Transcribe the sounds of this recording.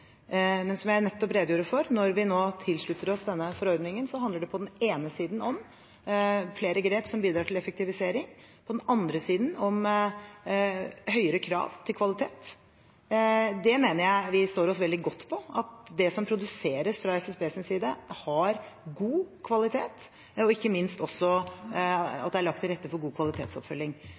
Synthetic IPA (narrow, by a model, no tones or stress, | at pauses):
mɛnsɔmjæɪnɛt̪ːɔpɾeːd̪juːɾəfɔɾnɔɾʋɪnoːt̪ʰɪlʂɭʉt̪ːəɾɔsd̪ɛnːəfɔɾɔɾd̪nɪŋənsɔhɑnd̪əɖɛpʰɔd̪ɛneːnəsiːd̪n̩ɔm | fleːɾəɡɾeːpsɔmbiːd̪ɾɑːʈʰɪlɛfəkt̪ɪʋɪseːɾɪŋ | pʰɔd̪ɛnɑnd̪ɾəsiːd̪n̩ɔm | hœʏəɾəkʰɾɑ̰ːʋt̪ʰɪlkʰʋɑlɪt̪ʰeːt̪ | d̪ɛmeːnəɾjæɪʋɪst̪oːɾɔsʋɛld̪ɪɡɔt̪ːpʰɔɑt̪̚d̪ɛsɔmpʰɾʊd̪ʉseːɾəsfɾɑɛsɛsbeːsɪnsiːd̪əhɑɾɡuːkʰʋɑlɪt̪ʰeːt̪ | ɔɪkːəmɪnst̪ɔsːɔ | ɑ̰t̪̚d̪ɛæɭɑk̚t̪ʰːɪlɾɛt̪ːəfɔɾɡuːkʰʋɑlɪt̪ʰḛːt̪sɔ̰pfœlːɪŋ